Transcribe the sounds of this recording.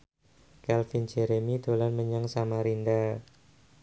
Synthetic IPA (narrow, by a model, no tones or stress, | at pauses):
kɛlfind͡ʒeɾemid̪̥o̤lanməɲaŋsamaɾinda